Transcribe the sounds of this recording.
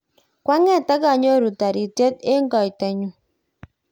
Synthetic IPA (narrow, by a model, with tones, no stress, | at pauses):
kwa˦ŋɛ˦˨ta˦ɡa˨ɲo˦ɾu˨ta˨ɾi˨tjɛ˦te˦ŋɡɔ˨i˨ta˨ɲu˦